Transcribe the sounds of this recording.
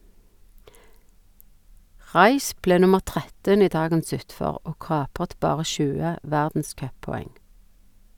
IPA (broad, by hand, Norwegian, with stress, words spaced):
ˈʁɑɪʃ ˈpleː ˈnʊməʁ ˈtʁɛtən ˈiː ˈdɑːɡəns ˈʉtfɔʁ ˈoː ˈkɑːpʁət ˈbɑːʁə ˈʃʉːə ˈʋæʁdn̩ˌskœpɔˌɛŋ